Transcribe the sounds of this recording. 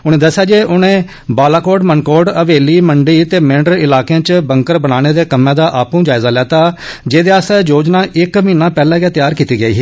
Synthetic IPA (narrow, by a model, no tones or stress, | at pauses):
ʊñẽːd̪əsːɪjaːd͡ʒeːʔʊnẽː | baːlaːkoːɖmənkoːɖəʋeːliːməɳɖiːt̪eːmɪ̃ɳɖəɾɪlaːkeãːt͡ʃbəŋkəɾbəɽ̃aːɽ̃eːd̪eːkəmːãːd̪aːʔaːpũːd͡ʒaːɪzaːlɛːt̪aːd͡ʒeːd̪eːaːst̪ɛd͡ʒoːd͡ʒnãːʔɪkmiːnãːpɛːlãːɡɛːt̪ɪjaːɾkiːt̪iːɡəiːɦiː